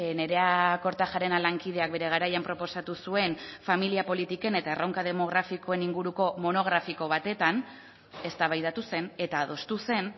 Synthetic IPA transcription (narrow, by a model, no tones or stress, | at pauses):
ne̞ɾe̞ako̞ɾt̪axaɾe̞nalaŋkið̞e̞ak̚be̞ɾe̞ɣaɾajampɾo̞po̞sat̪usue̞nfamiliapo̞lit̪ike̞ne̞t̪aerawŋkaðe̞mo̞ɣ̞ɾafiko̞e̞niŋɡuɾuko̞mo̞no̞ɣ̞ɾafiko̞β̞at̪e̞t̪an | e̞st̪aβajðat̪use̞ne̞t̪aːðo̞st̪use̞n